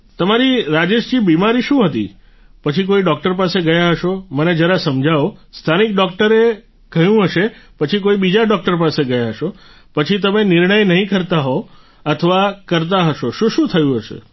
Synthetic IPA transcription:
t̪əmaɾiɾad͡ʒeʃd͡ʒibimaɾiʃũɦət̪ḭ | pət͡ʃʰik̬oiɖɔk̚ʈəɾpaseɡəjaɦəʃoməned͡ʒəɾasəmd͡ʒʱaʋost̪ʰanik̚ɖɔk̚ʈəɾe | ɡ̥əjũɦəʃepət͡ʃʰikoibid͡ʒaɖɔk̚ʈəɾpaseɡəjaɦəʃo | pət͡ʃʰit̪̬əmenɪɾɳəjnəɦĩkəɾt̪aɦo | ət̪ʰəʋakəɾt̪̬aɦəʃoʃũʃũt̪ʰəjũɦəʃḛ

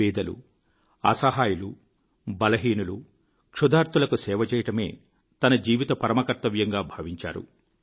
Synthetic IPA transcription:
iːd̪ɐlṵ | ɐ̰sɐɦaːjulu | bɐlɐɦiːnulu | kʂud̪aːɾt̪ulɐkusɛːʋɐt͡ʃɛːjɐʈɐme̞ː | t̪ɐnɐd͡ʒiːʋit̪ɐpɐɾɐmɐkɐɾt̪ɐʋjɐŋɡaːbʱɐʋiɲt͡ʃa̰ːɾṵ

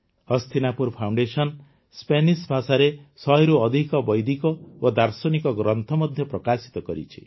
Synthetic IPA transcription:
ɔst̪ʰinapuɾpʰawɳɖesɔn | spenisbʱasaɾesɔɦjɾuɔd̪ʱikɔbɔjd̪ikɔod̪aɾsɔnikɔɡɾɔnt̪ʰɔmɔd̪ʱjɔpɾɔkasi̥t̪ɔkɔɾḭt͡ʃʰi̥

